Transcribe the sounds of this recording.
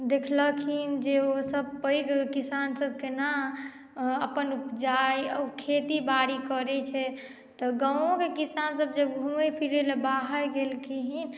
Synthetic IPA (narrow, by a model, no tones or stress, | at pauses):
d̪ekʰləkʰind͡ʒeosəb̚pəjɡkisansəb̚ʱkena | əpənupd͡ʒaiəukʰet̪ibaɾikəɾɛt͡ʃʰɛ | t̪ɔɡaõkekisansəbd͡ʒəbɡʱuepʰiɾelebaɦəɾɡelkʰiɦin